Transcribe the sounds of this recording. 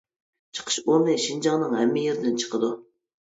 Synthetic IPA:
t͡ʃʰə̥qʰə̥ʃonɨʃind͡ʒɑŋnɨŋɦɛmːɪjeɾɪd̪ɪnt͡ʃʰə̥qʰəd̪u

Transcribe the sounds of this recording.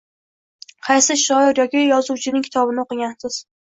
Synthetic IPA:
qʰɑjsɪʃɒjɪɾjɒkʲɪjɒzuwt͡ʃʰɪnɪŋkʲʰɪ̥t̪ʰɒbɪnɪoqɨɡʲansɪz̥

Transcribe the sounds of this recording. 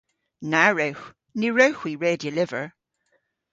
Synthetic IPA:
naɹəwx | niɹəwxwiːɹeːdjəlɪvəɹ

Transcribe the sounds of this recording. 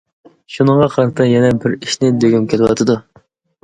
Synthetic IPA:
ʃunəŋʁɑqʰɑɾɨt̪ʰɨjɛnɛbɪɾiʃnɪd̪øɡʲymkʲʰelɪwɑ̰t̪ʰɨd̪u

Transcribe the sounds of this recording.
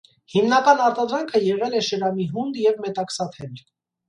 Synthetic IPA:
himnɑkɑnɑɾt̪ɑd̪ɾɑŋkʰəjɛʁɛlɛʃəɾɑmiɦund̪jɛvmɛt̪ɑksɑt̪ʰɛl

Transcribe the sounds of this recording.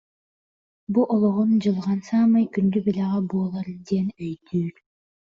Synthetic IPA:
buʔolˠoʁund͡ʒɯlˠʁɑnsaːmɯjkynd̪ybilʲaʁɑbuːlˠaɾd̪enøjd̪yːɾ

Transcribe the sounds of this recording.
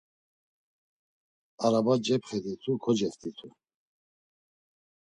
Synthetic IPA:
aɾabad͡ʒɛpχɛd̪it̪ʰukʰɔd͡ʒɛsd̪it̪ʰu

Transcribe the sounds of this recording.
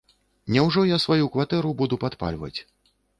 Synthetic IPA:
nʲɛwʐɔjasvajukvat̪ɛɾubud̪upat̪pa̰lʲvɐ̰t͡sʲ

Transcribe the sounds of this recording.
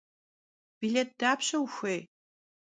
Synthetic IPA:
b̥ileːt̚d̥aːpʰɕɐwxʷej

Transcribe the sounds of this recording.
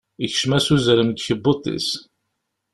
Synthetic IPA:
içʃmæsuzəɾəmd̪çəbot̪ˤḭs

